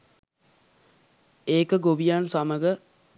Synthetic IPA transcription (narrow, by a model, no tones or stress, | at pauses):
eːkəɡoʋijaːnsaməɡə